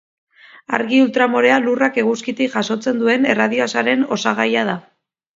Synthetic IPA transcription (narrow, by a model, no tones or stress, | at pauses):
a̰ɾɣiult̪ɾamoɾe̞alurake̞ɣuskit̪ikʝaso̞t͡se̞nd̪ue̞ne̞rað̞ioasaɾe̞no̞saɣ̞ajað̞a